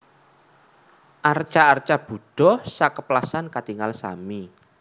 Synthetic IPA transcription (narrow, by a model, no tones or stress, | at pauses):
ʔart͡ʃaːrt͡ʃab̥ṳɖ̥ɔhsakəplasankat̪iŋalsa̰mi